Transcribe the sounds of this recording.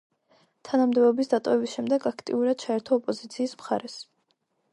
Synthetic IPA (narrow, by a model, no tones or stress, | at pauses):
t̪ʰanamd̪ɛbɔbisd̪at̪ʼɔvɛbisʃɛmd̪ɛɡakʰt̪ʼḭuɾad̪̥̚t͡ʃʰaɛɾt̪ʰɔːpʼɔzit̪sʰiːsmχa̰ɾɛs